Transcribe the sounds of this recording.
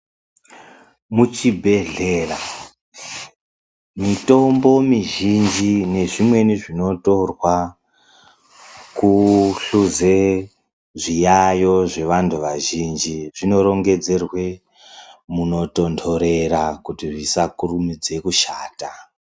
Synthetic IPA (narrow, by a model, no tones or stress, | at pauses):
mut͡ʃibʱe̞ɮeːra | mito̞mbo̞miʒind͡ʒine̞ʐimwe̞niʐino̞to̞rwa | kuɬuze̞ | ʐijajo̞ʐe̞ʋantʰuʋaʒind͡ʒiʐino̞ɾo̞ŋɡe̞d͡ze̞rwe̞ | muno̞to̞ntʰo̞ɾe̞ɾakutiʐisakurumid͡ze̞kuʃaːta